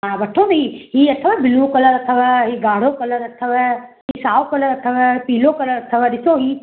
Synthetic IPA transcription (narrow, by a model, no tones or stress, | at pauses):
ãbɐʈʰːonɐɦiɦiɐt̪ʰːəʋaːbɪluːkɐlɐɾɐt̪ʰːəʋaːɦiɡaːɽ̤okɐlɐɾɐt̪ʰːəʋa | ɦisaːwkɐlɐɾɐt̪ʰəʋapiːloːkɐlɐɾɐt̪ʰəʋad̪ɪsoɦi